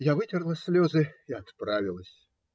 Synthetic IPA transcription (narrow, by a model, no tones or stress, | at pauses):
javɨtʲɪrlˠəsʲlʲozɨɪɐt̪pɾavʲɪlˠəsʲ